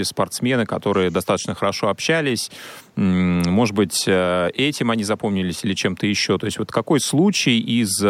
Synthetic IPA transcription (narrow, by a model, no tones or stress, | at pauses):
ɪspɐrt̪smʲe̞nɨkɐt̪o̞ɾɨjəd̪ɐst̪at̪ə̥t͡ɕnəxəɾɐʂo̞ɐpɕːælʲɪs̩ʲ | mo̞ʐɨd̪bɨtʲəʔɛtʲɪmɐnʲizɐpo̞mnʲɪlʲɪsʲilʲɪt͡ɕe̞mt̪əjɪɕːo̞t̪o̞ɪsʲtʲvo̞t̪kɐko̞jslˠut͡ɕɪjiz